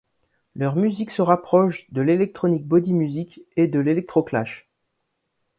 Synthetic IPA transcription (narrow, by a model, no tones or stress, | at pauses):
lœʁmyziksəʁapχɔʃd̪əlelɛk̚t̪χɔnik̚bɔd̪imyziked̪əlelɛk̚t̪χokla̰ʃ